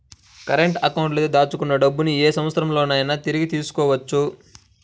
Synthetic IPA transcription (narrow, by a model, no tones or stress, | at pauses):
kɐɾeɳʈɐkɐwɳʈlɐt̪ed̪aːt͡ʃːukunːɐɖɐbːunieːsɐmɐt̪sɐɾɐmlo̞ːnɐːjnɐt̪iɾiɡit̪iːsu̥kɔːʋɐt͡ʃːu